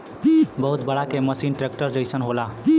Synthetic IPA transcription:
bəɦut̪bəɽakeməsinʈɾek̚ʈəɾd͡ʒəjsənɦola

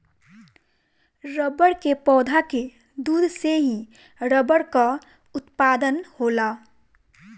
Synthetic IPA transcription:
ɾəbəɽkepɔːd̪ʱake | d̪uːd̪ʱseɦĩ | ɾəbəɽka | ʊt̪paːd̪ənhoːla

